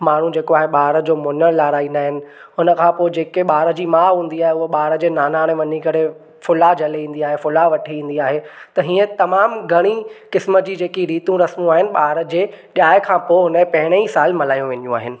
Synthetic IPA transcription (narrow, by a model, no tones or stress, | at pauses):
maːɳ̤ũd͡ʑeːkoaːɦeɓaːɾəd͡ʑoːmʊnəlaːɾaːiːnaːɦɪnɪ̆ | ɦʊnə̆kʰãːpoːɪd͡ʑeːkeɓaːɾəd͡ʑiːmãːɦũːn̆d̪iaːɦeʊɦoɓaːɾəd͡ʑeːnaːnaːɽ̃eʋɐnikɐɽe | fʊlad͡ʑʱɐleĩːn̆d̪iaːɦefʊlaʋɐʈʰiĩːn̆d̪iaːɦet̪ɐɦiːə̃t̪ɐmaːmɡʱɐɽ̃ikɪsməd͡ʑiːd͡ʑeːkiɾiːt̪ũɾɐsmũaːɦɪnɪ̆ɓaːɾəd͡ʑeːɗjaːɦɪkʰãːpoːɪɦʊnepɐ̃ɦɪɽ̃ẽisaːlmɐlaːjũʋenjũa̰ːɦɪnɪ̆